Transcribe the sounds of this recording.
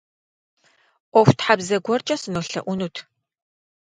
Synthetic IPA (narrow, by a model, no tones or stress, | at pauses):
ʔʷɔxʷtħabzɐɡʷɔrt͡ʃʼɐsɨnoːɬɐ̰ʔʷʊnuːtʰ